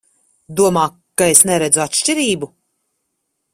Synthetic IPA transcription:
d̪uɔmaː | kːaesnɛɾɛd̪zuat̪ʃt͡ʃiɾiːbu

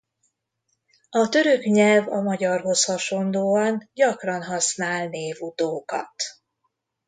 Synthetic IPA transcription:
ɒt̪ø̞ɾøkɲɛlvɒmɒɟɒrɦo̞shɒʃo̞nd̪oːɒnɟɒkrɒnɦɒsnaːlneːvut̪oːkɒ̰t̪

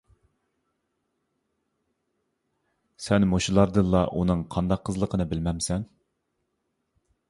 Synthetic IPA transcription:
sɛnmoʃulˠɑɾd̪ɨnlˠɑʔunɨŋqʰɑnd̪ɑqʰːəzlˠəqʰənɨbɪlmɛmsɛn

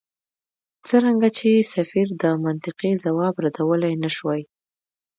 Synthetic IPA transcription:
t͡səɾaŋɡat͡ʃesafiɾd̪əmant̪ɪqizawɑbɾad̪awəlajnaʃwaj

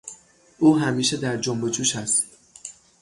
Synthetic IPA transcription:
ʔuːɦæmiːʃe̞d̪æɾd͡ʒombe̞d͡ʒuːʃæst̪

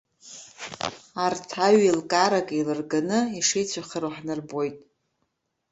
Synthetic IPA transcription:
artʰaɥilkʼaɾakʼelɨrɡanɨiʂejt͡sʷʰaχəɾuħnɨrbo̞jtʼ

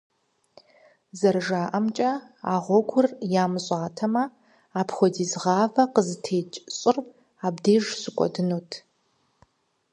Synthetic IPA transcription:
zɐrʒaːʔɐmt͡ʃʼɐ | a̰ːʁʷɔɡʷʊrjaːmɨɕʼɑːtʰɐmɐ | aːpʰχʷɔdiːzʁɑːvɐqəzɨtʰeːt͡ʃʼɕʼɪr | aːbdeːʒsɨkʷʼɔ̰dɨnoːtʰ

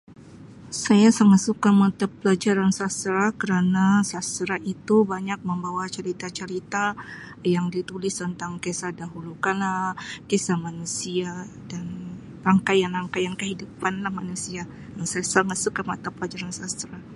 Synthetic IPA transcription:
sajasaŋat̪̚sukamat̪apːəlad͡ʒaɾansast̪ɾakəɾanasast̪ɾait̪ubaɲak̚məmbawat͡ʃəɾit̪at͡ʃəɾit̪a | jaŋdit̪ulɪst̪ənt̪aŋkesadaɦulukanlakesahmanusia | dan | raŋkajaŋraŋkajaŋkəɦidupanlahmanusia | naŋsajasaŋat̪sukamat̪apəlad͡ʒaɾansast̪ɾa

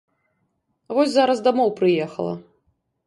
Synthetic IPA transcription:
vɔsʲzaɾɐzd̪amɔwpɾɨjɛxɐlˠɐ̰

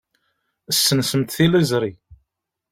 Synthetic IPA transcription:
əsːənsəmt̪θilizɾˤi

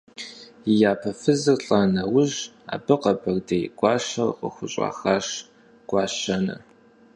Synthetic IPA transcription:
ɪjaːpʰɐfɨzɨrɬʼanɐwʊʒa̰ːbɨqɐbɐrdejɡʷɑːʃɐrqə̰xʷʊɕʼa̰ːxaːʂ | ɡ̥ʷɑːɕɐnɐ̰

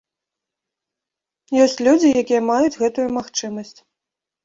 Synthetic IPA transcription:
jɔsʲt͡sʲlʲud͡zʲijakʲijɛmajud͡zʲɣɛt̪ujumaxt͡ʂɨmɐsʲt͡sʲ

